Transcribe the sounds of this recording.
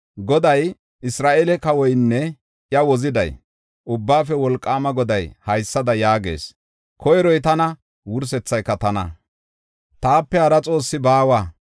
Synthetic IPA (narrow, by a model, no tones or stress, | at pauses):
ɡɔd̪ɐj | ɪsɾaːʔeːlɛkɐwɔjnːɛ | jɐwɔzɪd̪ɐ̰j | ʔʊbːaːfɛwɔlkʼːaːmɐɡɔd̪ɐjhɐjsːɐd̪ɐjaːɡḛːs | kʰɔjɾɔjt̪ɐnɐ | wʊɾs̬ɛt͡sːɐjkːɐt̪ɐnɐ̰ | t̪aːpːɛhɐɾɐt͡sʼo̞ːsːɪbaːwaː